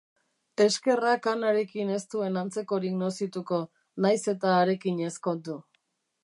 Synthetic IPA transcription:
e̞ske̞rakanaɾe̞kine̞st̪ue̞nant͡se̞ko̞ɾiɡno̞sit̪uko̞ | najse̞t̪aːɾe̞kiɲe̞sko̞d̪u

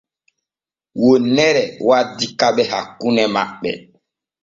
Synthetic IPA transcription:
wonɛɾɛwadikaɓɛhakːunɛma̰ɓɛ̰

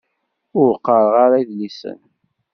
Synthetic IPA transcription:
ʊɾqːəɾˤʁaɾaðlisə̰n

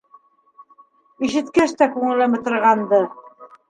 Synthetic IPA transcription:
iʃɘ̆t̪kæʃt̪ækʉŋɘ̆lɘmɘ̆t̪ɤ̆ɾʁɑnd̪ɤ

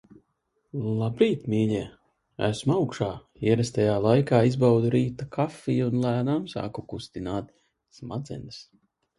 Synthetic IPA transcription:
lˠabɾiːt̪miːʎʲɛː | æ̰smawkʃaː | iɛɾɛst̪ajaːlˠajkaːizbawd̪uɾiːt̪akʰafːiːunlˠæːd̪aːmsa̰ːkukust̪inaːt̪ | smad̪zɛ̰nɨs

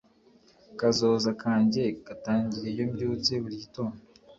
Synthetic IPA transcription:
kazoːzakaːɲɟe̞kataːɲɟiɾejo̞mɟuːt͡seβuɾito̞ːno

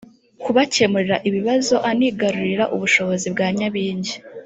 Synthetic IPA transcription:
kuβace̞muɾiɾaʔiβiβazo̞ʔaniːɡaɾuɾiɾaʔuβuʃo̞βo̞zibɡaːɲaβiːɲɟi

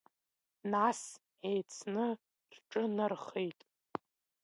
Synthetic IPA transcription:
nas | ʕejt͡sʰnɨ | rʈ͡ʂʼɨnɨrχejtʼ

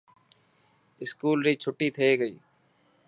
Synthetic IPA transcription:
ɪskuːlɾiːt͡ʃʰʊʈːit̪ʰeːɡəḭː

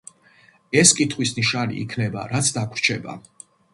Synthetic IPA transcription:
ɛskʼit̪ʰχwisniʃanḭʔḭkʰnɛba̰ɾat̪sʰd̪akʰɾt͡ʃʰɛba̰

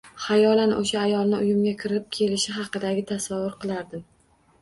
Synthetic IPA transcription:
hajɒlanʔoʃaːjɒlˠnɪʊjʊmɡʲakʲʰɪɾɪp̚kʲʰe̞lɪʃɪɦɑqɨd̪aɡʲɪt̪ʰasavːʊɾqɨlˠaɾd̪ɪm

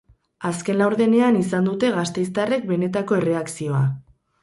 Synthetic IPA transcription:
aske̞nlawɾðe̞ne̞anisand̪ut̪e̞ɣast̪e̞jst̪are̞k̚be̞ne̞t̪ako̞e̞re̞aksio̞a

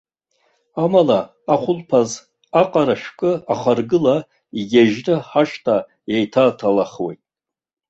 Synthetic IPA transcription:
amalaː | χʷʊlpʰaz | aqʼaɾaʃᶣkʼɨaχarɡɨla | iɡʲaʒnɨħaʃtʰa | jejtʰatʰalaχwḛjtʼ

